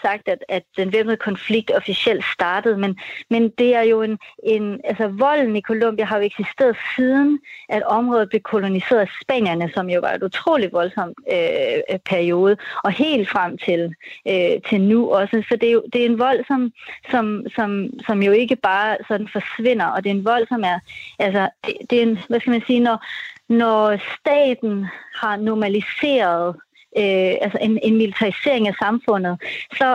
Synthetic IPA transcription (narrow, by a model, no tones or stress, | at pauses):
sɑ̈ɡ̥̚d̥æd̥æd̥enʋemð̩ˠəkʰɒ̽nfliɡ̥̚d̥ɒ̽fisiel̰d̥sd̥ɑ̈ːd̥əð̩ˠmenmend̥e̝æɐjo̝e̝ne̝nælsɒʋɒ̽l̰n̩ikʰo̝lom̰b̥iɐɦɑ̈jo̝eɡ̥sisd̥e̝̰ːɐð̩ˠsiːðˠn̩ʔæd̥ɒ̽mʁɔð̩ˠb̥lekʰo̝lo̝nise̝̰ːɐðˠæsb̥ɛ̰ːn̰jɐnəsɒ̽mjo̝ʋɑ̰̈e̝nut͡sʰʁo̝̰ːlid̥ʋɒ̽lsɒ̽m̰øpʰæɐio̝ːð̞ˠəɒ̽he̝̰ːld̥fʁam̰t͡sʰe̝løt͡sʰe̝lnuʔɒ̽səsɒ̽d̥e̝jo̝d̥e̝æɐe̝nʋɒ̽l̰sɒ̽msɒ̽msɒ̽msɒ̽mjo̝e̝ɡ̥əb̥ɑ̈ːsɒ̽d̥n̩fɒ̽sʋe̝n̰ɐʔɒ̽d̥e̝e̝nʋɒ̽l̰sɒ̽mæɐʔælsɐd̥e̝d̥e̝enʋæsɡ̥æmænsiːnɒnɒsd̥ɛ̰ːd̥n̩hɑ̈nɒmælise̝̰ːɐð̩ˠ | øʔælsɐʔe̝ne̝nmilit͡sʰɑ̈ʁise̝̰ɐ̰e̝ŋæsɑ̈mfɔ̽n̰ð̞̩ˠsɒ̽